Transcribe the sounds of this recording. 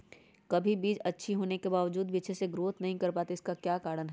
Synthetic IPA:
kɐbʱibiːd͡ʒɐtːʃʰiɦoːnekebaːʋəd͡ʒuːd̪ʋiːʃeseɡɾoːt̪nɐɦĩkɐɾpaːt̪eɪskakjaːkaːɾənɦɛ

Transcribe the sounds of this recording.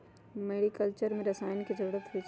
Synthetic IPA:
meːɽikəlt͡ʃəɾmẽɾɐsaːɪnkizɐɾuːɽət̪ɦu

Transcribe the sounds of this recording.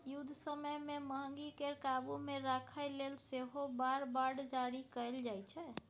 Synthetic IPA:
jud̪ʱsəməjmeməɦəŋɡikeɾkabumeɾakʰəjlelseɦobaɾbaɽd͡ʒaɽikəjld͡ʒajt͡ʃʰɛ

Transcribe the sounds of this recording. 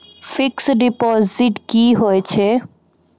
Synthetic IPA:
fiksɖipɔziʈkiɦoet͡ɕʰe

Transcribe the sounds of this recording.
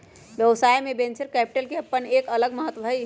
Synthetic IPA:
ʋjəʋsaːjmẽbẽːnt͡ʃəɾkɛːpɪ̥ʈəlkeɐpːəneːkɐləɡməɦət̪wəbʱ

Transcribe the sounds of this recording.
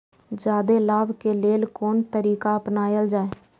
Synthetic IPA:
d͡ʒaːd̪elaːbkeleːlkoːnt̪əɾiːkaəpnaːjəld͡ʒaːeː

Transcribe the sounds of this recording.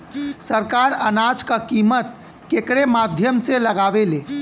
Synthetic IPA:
səɾkaɾənad͡ʒkəkimət̪̚ | kekɾemad̪ʱjəmseləɡaʋele

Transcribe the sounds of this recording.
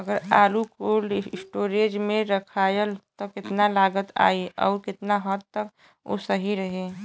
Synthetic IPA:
əɡəɾaːlukoːlsʈoːɾed͡ʒmẽɾəkʰaːjəlt̪ɔkɪt̪nalaːɡət̪a̰ːiɔ̰ːɾkɪt̪naɦɔt̪t̪ːək | o̰səɦiɾəɦe

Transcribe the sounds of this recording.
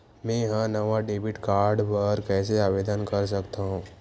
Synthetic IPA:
mɛ̃ɦãnɐʋaɖeːbɪʈkaːɾɖpəɾkɛːseaːʋeːd̪ənkəɾs̬əkt̪aɦũː

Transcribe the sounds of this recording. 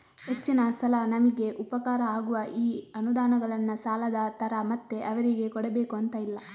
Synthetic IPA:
ɦe̞t͡ʃːinɐsɐlɐnɐmiɡe̞ʔupɐkaːɾɐaːɡuʋɐʔiːɐnud̪aːnɐɡɐɭɐnːɐsaːlɐd̪ɐt̪ɐɾɐmɐt̪ːe̞ʔɐʋɐɾiɡe̞kɔɽebe̞ːkuɐnt̪ɐilːɐ

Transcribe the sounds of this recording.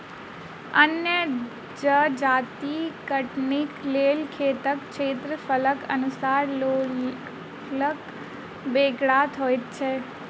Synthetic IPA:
ənjə | d͡ʒəd͡ʒaːt̪ikəʈnɪkleːlkʰeːt̪əkt͡ʃʰeːt̪ɾəfələkə̰nʊsaːɾlo | lək | beːɡɽat̪ʰɦoːjt̪̚t͡ʃʰeː

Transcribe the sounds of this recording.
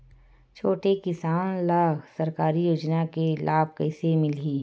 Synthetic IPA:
t͡ʃʰoːʈekɪsaːnlaːɡsɐɾkaːɾijoːd͡ʒnakelʔaːb̚kɐɪsemɪliː

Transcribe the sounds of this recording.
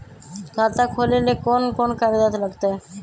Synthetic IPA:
kat̪akʰolelekonkonkaɾid̪at̪laɡt̪a

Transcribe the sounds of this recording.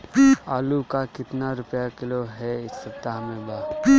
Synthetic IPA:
aːlukakɪt̪naɾʊpjakɪloɦɛɪsːɐpt̪aɦmẽbaː

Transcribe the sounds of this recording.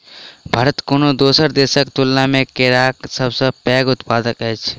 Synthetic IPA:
bʱaːɾət̪koːnod̪oːsəɾd̪eːʃəkt̪ʊlːamẽkeɾaːksəbsəpɛːɡʊt̪paːd̪əkɦɛt͡ʃʰ

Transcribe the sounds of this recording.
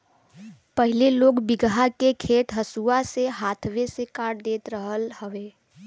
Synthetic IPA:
pəɦɪleloːɡbɪɡɦakekʰeːʈ̪ɦəsuaseɦaːt̪ʰʋesekaːʈd̪eːt̪ɾəɦəlhəʋeː

